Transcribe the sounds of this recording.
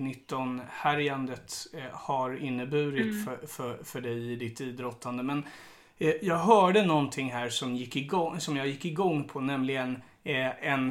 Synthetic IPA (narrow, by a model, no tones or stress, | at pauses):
nɪt̪ːɔnhæɾjand̪ət̪haɾɪnːəbʉ̟ːɾɪt̪fœfœfœɖɛjɪd̪ɪt̪ːiːd̪ɾɔt̪ʰːand̪əmɛn | jɑːɡɦœːɖənɔnt̪ʰɪŋːɦæːɾʂɔmjɪkːɪɔsɔmjɑːjɪkːɪɡɔŋːpʰɔnɛmlɪɡən | ɛn